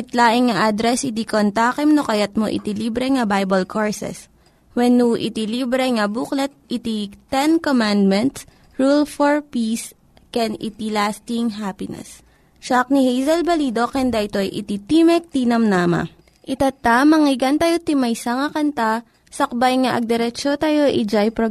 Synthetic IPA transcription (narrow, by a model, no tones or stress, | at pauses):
ʔɪt̪laːʔɪŋŋɐʔad̪ɾɛsɪt̪ikont̪aːkɛmnokɐjat̪̚mo̰ʔɪ̰t̪iliːbɾɛŋɐbajbɐlkʰoɹsɛ̰s | wɛnːuʔɪ̰t̪iliːbɾɛŋɐbuklɛt̪̚ʔɪt̪it̪ɛnkomand̪̚mɛnt̪s | ɹulfɔɹpis | kɛnɪ̰t̪ilast̪ɪŋɦapɪnɛ̰s | ʃak̚nihejzɐlbɐliːd̪o̞kɛnd̪aʔɪt̪o̞jʔɪ̰t̪it̪imɛk̚t̪inɐmnaːma̰ | ʔɪt̪at̪amɐŋɪɡɐnt̪ɐjot̪ɪmɐjsɐŋɐkɐnt̪a | sɐk̚bajŋaʔɐɡ̚d̪ɛɾɛt͡ʃot̪ajo̞ʔid͡ʒajpɾo